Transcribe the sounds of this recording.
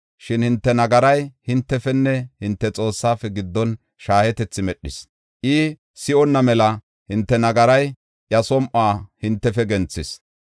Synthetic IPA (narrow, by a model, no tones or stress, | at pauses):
ʃɪnhɪnt̪ːɛnɐɡɐɾɐjhɪnt̪ːɛfɛnːɛhɪnt̪ːɛt͡sʼo̞ːsːaːfɛɡɪd̪ːɔn | ʃaːhɛt̪ɛt͡sːɪmɛɗːɪs | ʔɪ | sɪɔnːɐmɛlɐ | hɪnt̪ːɛnɐɡɐɾɐj | ʔjɐsɔmʔaːhɪnt̪ːɛfɛɡɛnt͡sːɪs